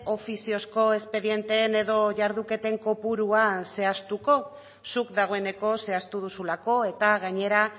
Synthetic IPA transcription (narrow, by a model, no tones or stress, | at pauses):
o̞fisio̞sko̞e̞spe̞ðje̞nt̪eːne̞ðo̞ʝaɾðuke̞t̪e̞ŋko̞puɾuase̞ast̪uko̞ | sukd̪aɣ̞o̞e̞ne̞ko̞se̞ast̪uð̞usulako̞e̞t̪aɣaɲe̞ɾa